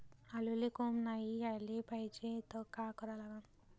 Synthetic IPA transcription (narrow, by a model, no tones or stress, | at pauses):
alulekomnaijalepajd͡ʒet̪ʌkakʌɾalaɡan